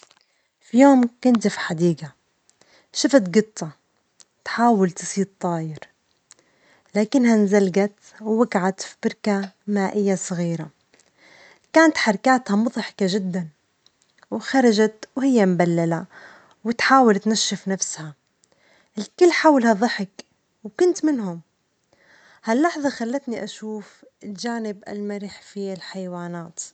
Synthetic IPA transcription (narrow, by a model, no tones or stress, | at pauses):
fijoːmkʊnt̪fiħad̪iːɡa | ʃɪfat̪ɡɨt̪ˤːɑ | t̪ħaːwalt̪ɨ̥sˤiːd̪̚t̪ˤːɑːjɪɾ | laːkɪnːhanzalɡat̪ | wwaɡʕat̪fibɪɾkamaːʔɪjːasˤɣiːɾa | kaːnat̪ħɑɾˤkaːt̪hamʊðˤħɪ̥kaʒɪd̪ːan | wxɑɾˤɑʒat̪whɪjːambalːala | wɪt̪ħaːwalt̪naʃːɪfnafsha | ɪlkɪlːħaːwɪlhaðˤɨħɪk | wkʊnt̪mɪnɦʊm | halːɑħðˤɑxalːat̪niʔaʃuːf | ɪld͡ʒaːnɪbʔa̰lmaɾɪħfilħajwaːnaːt̪